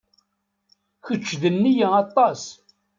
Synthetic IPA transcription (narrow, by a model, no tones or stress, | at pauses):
çət͡ʃːðənːijæɑt̪ˤːɑs